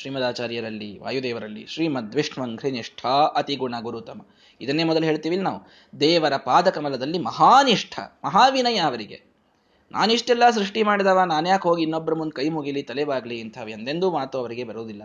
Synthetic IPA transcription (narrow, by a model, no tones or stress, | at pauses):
ʃɾiːmɐd̪aːt͡ʃaːɾjɐɾɐlːiʋa̰ːjud̪ɛːʋɐɾɐlːḭʃɾiːmɐd̪ʱʋiʂɳʋɐŋɡʰɾiniʂʈʰɐʔɐt̪iɡuɳɐɡuɾut̪ɐmɐ | id̪ɐnːe̞ːmɔd̪ɐluɦeːɭt̪iːʋilinaːʋu | d̪ɛːʋɐɾɐpaːd̪ɐkɐmɐlɐd̪ɐlːimɐɦaːniʂʈʰɐ̰mɐɦaːʋinɐjɐːʋɐɾiɡe̞̰ | nʔa̰ːniʂʈɛlːɐs̬ɾuʂʈimaːɽid̪aːʋaːnaːnjaːkɦoːɡiːnːɔbːɐɾɐmund̪̚kɐjmuɡilit̪ɐlɛʋaːɡliːnt̪ʰɐːʋiɐnd̪end̪umaːt̪uɐʋɐɾiɡe̞bɐɾoːd̪ilːɐ